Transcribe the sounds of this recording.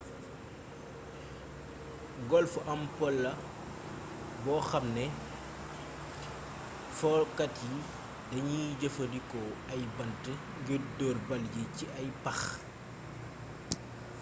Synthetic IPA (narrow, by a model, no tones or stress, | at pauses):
ɡɔlfuʔɐmpɔlːɐ | bɔːxɐmnɛ | fɔkɐtji | dɐɲiɟɐfɐdikɔɐjbɐntə | ŋɡidɔːrbɐljiciʔɐjpɐx